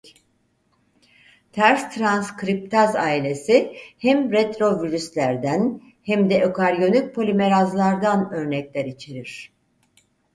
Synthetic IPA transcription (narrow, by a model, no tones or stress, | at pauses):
t̪ʰæɾst̪ʰɾanskɾip̚t̪ʰazaːilʲe̞sihɛmɾet̪ɾo̞vyɾyslʲæɾd̪æn | hæmd̪ɛʔokʰaɾjo̞nyc̚pʰo̞lʲime̞ɾazlˠaɾd̪anø̞ɾnɛclʲæɾit͡ʃʰiɾiɾ̥